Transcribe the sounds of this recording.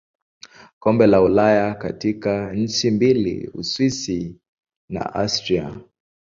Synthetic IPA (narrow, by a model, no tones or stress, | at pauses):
kɔmbɛlaulajakatikaɲ̩t͡ʃimbilḭṵswisi | na̰ʔastɾia̰